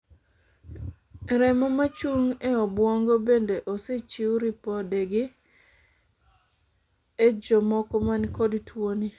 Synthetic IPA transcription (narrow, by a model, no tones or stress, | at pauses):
ɾɛmɔmat͡ʃuŋeɔbwɔŋɡobendeʔoset͡ʃiuɾipɔdeɡɪ | ed͡ʒɔmɔkɔmankodtwoni